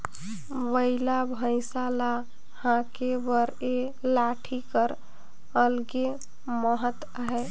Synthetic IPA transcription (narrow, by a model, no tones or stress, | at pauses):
wəɪlabʱə̃jsala | hãkebəɾe | laʈʰikəɾ | əlɡe | məɦət̪ | ɦɛ